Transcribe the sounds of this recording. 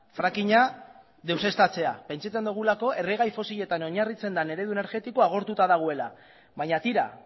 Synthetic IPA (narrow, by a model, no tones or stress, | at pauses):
fɾakiɲa | ðe̞wse̞st̪at͡se̞a̰pe̞nt͡ʃat͡se̞nd̪uɣ̞ulako̞e̞re̞ɣ̞ajfo̞siʎe̞t̪ano̞ɲarit͡se̞nd̪ane̞ɾe̞ðueneɾɣe̞t̪ikoaɣ̞o̞ɾt̪ut̪aðaɣ̞oe̞la | βaɲat̪iɾa̰